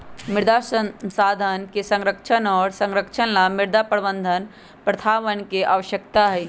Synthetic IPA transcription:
mɪɾd̪asənsaːd̪ʱənkesə̃ŋɾəkʃʰənɔːɾsə̃ŋɾəkʃʰənlamɪɾd̪apəɾbə̃nd̪ʱən | pɾət̪ʰaːʋənkeʔaʋəʃjək̚t̪aɦɛ

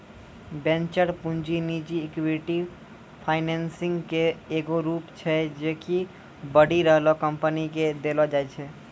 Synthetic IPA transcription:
bẽnt͡ʃəɾpund͡ʒinid͡ʒiekʋeʈi | pʰaɪnensiŋɡkeeɡoɾupt͡ʃʰɛd͡ʒeki | bəɽiɾəɦlɔkəmpəniked̪elɔd͡ʒaɛt͡ʃʰɛ

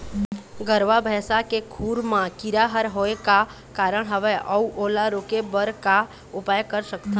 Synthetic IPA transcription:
ɡəɾʋabʱɛːsakekʰuːɾmãkiɾaɦəɾɦoeka | kaːɾəɽ̃ɦəʋeʔəuʔoːlaɾoːkebəɾka | ʊpaːjkəɾsəkt̪ʰã

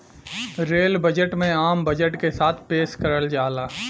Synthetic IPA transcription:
ɾeːlbɐd͡ʒəʈmẽaːmbɐd͡ʒəʈkesaːt̪ʰpeːskɐɾəld͡ʒaːlaː

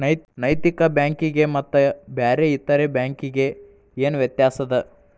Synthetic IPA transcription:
ɐjnɐjt̪ikɐbjaːŋkiɡe̞mɐt̪ːubaːɾeit̪ːɐɾebjaːŋkiɡe̞ | eːnuʋjɐt̪jaːsɐd̪ɐ

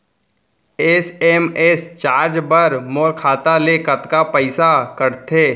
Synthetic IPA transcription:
eːseːmeːst͡ʃaːɾd͡ʒbəɾmoːɾkʰaːt̪alekɐt̪kapəɪsakəɾt̪ʰeː

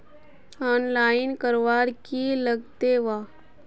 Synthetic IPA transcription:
ɔːnlaːɪnkəɾʋaːɾkiləɡt̪eʋaː

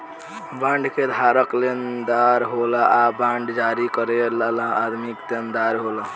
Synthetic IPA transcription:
bãɳɖked̪ʱaɾəklend̪aɾɦolaabãɳɖd͡ʒaɾikəɾelalaad̪ʱmikt̪end̪aɾɦola

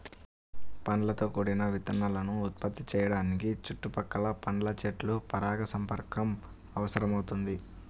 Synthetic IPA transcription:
pɐnɐlɐt̪o̞ːkuːɽinɐʋit̪ɐnːɐlɐnuːt̪̚pɐt̪ːit͡ʃɛːjɐɽaːnikit͡ʃuʈːupɐkːɐlɐpɐnɐlɐt͡ʃeʈlupɐɾaːɡɐsɐmpɐɾkɐm | ɐʋɐsɐɾɐmɐwt̪und̪i

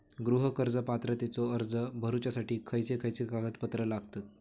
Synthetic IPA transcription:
ɡɾuɦəkəɾd͡zəpat̪ɾət̪it͡soəɾd͡zəbʱəɾut͡ɕasaʈiːkʰəjt͡sekʰəjt͡sekaɡət̪pət̪ɾəlaɡʱt̪at̪̚

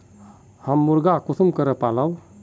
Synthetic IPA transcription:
həmːuɾɡakut̪ʰumkəɾəpalaw

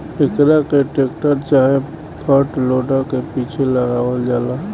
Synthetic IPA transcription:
ɪkɾakeʈeːkʈəɾt͡ʃaːɦe | pʰəɾʈloːɖəɾkepiːt͡ʃʰeləɡaːʋəld͡ʒaːlaː

